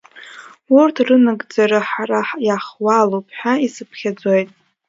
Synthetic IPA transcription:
urtʰrɨnɨɡʼd͡zaɾaħaraħjaχwalowpʰħaisɨpʰχʲad͡zojtʼ

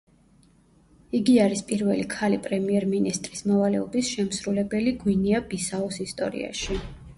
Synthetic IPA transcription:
iɡiaɾispʼiɾvɛlikʰalipʼɾɛmiɛɾminist̪ʼɾismɔvalɛ̰ɔbisʃɛmsɾulɛbɛliɡwiniab̥isaɔsist̪ʼɔ̰ɾḭa̰ʃi

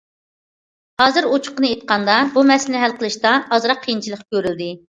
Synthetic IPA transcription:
hɑːzɨɾot͡ʃʰʊ̥qənɨet̪̚qʰɑnd̪ɑbumɛslɪnɪɦælˠqəlˠɨʃt̪ɑɑzɾɑqʰːəjint͡ʃʰilˠəqkʲʰøɾyld̪ɪ

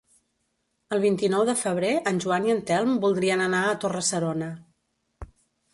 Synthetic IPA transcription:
əlˠβ̞int̪inɔwðəfəβ̞ɾeʔənʲʒuaniənt̪ɛlˠmbulˠd̪ɾiənənaət̪orəsəɾonə

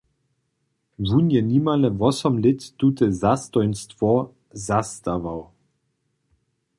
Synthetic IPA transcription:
vunjɛnimalɛvɔsɔmlɪt̪ːut̪ɛzast̪ɔjnstvɔ | zast̪avaw

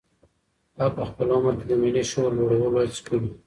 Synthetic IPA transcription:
apəxpəlomaked̪əmineʃoɾloɽawəloskuli

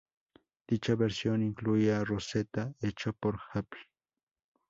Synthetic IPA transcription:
t̪it͡ʃabeɾsjoŋɪŋklujaɾoset̪aet͡ʃopoɾxapi̥

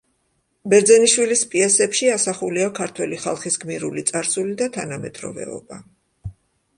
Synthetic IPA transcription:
bɛɾd̪zɛniʃwilispʼiɛsɛpʃiasaχuliakʰaɾt̪ʰwɛliχalˠχisɡmiɾulit̪sʼaɾsulid̪at̪ʰanamɛd̪ʼɾɔ̰vɛ̰ɔ̰ba

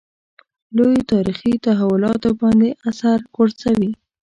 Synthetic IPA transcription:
lojot̪ɑɾixit̪aɦawʊlɑt̪obɑnd̪eʔasaɾkoɽsawi

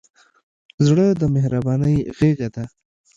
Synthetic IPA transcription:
zɽəd̪əmehɾabɑnəjɣeɡad̪a

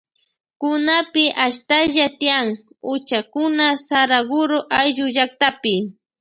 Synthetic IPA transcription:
kʊnapɪʔaʃt̪aʎat̪ɪjaŋ | ʊt͡ʃakʊnasaɾaɡʊɾoʔajʒʊʒak̚t̪apɪ

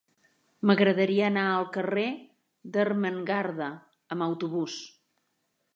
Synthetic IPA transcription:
məɣɾəðəɾiəːnaəlˠkəre | d̪ərməŋɡaɾðə | əməwt̪uβus

